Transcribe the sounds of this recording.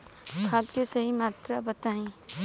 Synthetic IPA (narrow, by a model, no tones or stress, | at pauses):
kʰaːt̪kesɐɦimaːt̪ɾabɐt̪aːĩː